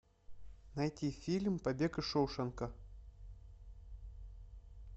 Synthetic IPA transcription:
nɐjtʲifʲilʲmpɐbʲekɨʂowʂənkə

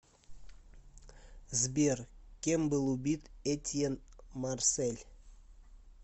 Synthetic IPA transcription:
zbʲerkʲemʲbɨlˠubʲit̪et̪ʲjenmarselʲ

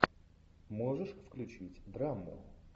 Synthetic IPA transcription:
moʐɨʂfklʲʉt͡ɕitʲd̪ɾamːʊ̰

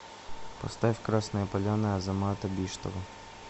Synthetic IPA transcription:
pɐst̪afʲkɾasnɨjəpɐlʲanɨɐzɐmat̪ɐbʲiʂt̪ɔvɐ

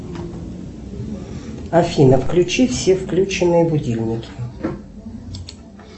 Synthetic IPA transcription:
ɐfʲinəfklʲʉt͡ɕifsʲefklʲut͡ɕɪnːɨjəbʊdʲilʲnʲɪkʲʰɪ

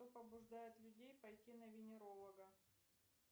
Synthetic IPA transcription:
opəbʊʐd̪ajɪt̪lʲʉdʲejpɐjtʲinəvʲɪnʲɪɾo̞lˠəɡə

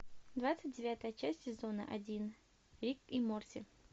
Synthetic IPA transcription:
d̪vat̪sɨt̚ʲdʲɪvʲat̪əjət͡ɕæsʲtʲsʲɪzo̞nə̰ʔɐ̰dʲin | ɾʲikimorsʲɪ̰

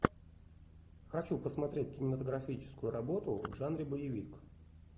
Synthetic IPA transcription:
xɐt͡ɕupəsmɐt̪ɾʲet̚ʲkʲɪnʲɪmət̪əɡɾɐfʲit͡ɕɪ̥skʊjʊɾɐbo̞t̪ʊvʐanɾʲɪbəjɪvʲik

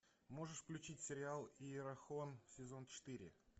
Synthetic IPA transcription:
mo̞ʐɨʂfklʲʉt͡ɕitʲsʲɪɾʲɪalˠiɾɐxonsʲɪzo̞nt͡ɕɪ̥t̪ɨɾʲɪ̰

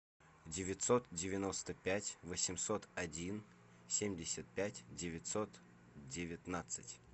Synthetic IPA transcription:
dʲɪvʲɪt̪ʲsot̪dʲɪvʲɪno̞st̪əpʲætʲvəsʲɪmso̞t̪ɐdʲin | sʲemʲdʲɪsʲət̪̚pʲætʲdʲɪvʲɪt̪ʲsot̪ | dʲɪvʲɪt̪nat̪sɨtʲ

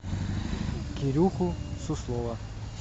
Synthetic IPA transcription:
kʲiɾʲuxʊsʊslˠɔʋɐ

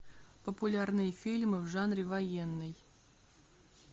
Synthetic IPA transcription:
pəpʊlʲarnɨjəfʲilʲmɨvʐanɾʲɪvɐjenːɨj

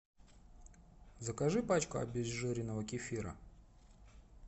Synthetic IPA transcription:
zəkaʐɨpat͡ɕkʊɐ̰bʲɪzːɨɾʲɪnəvəkʲɪfʲiɾə̰

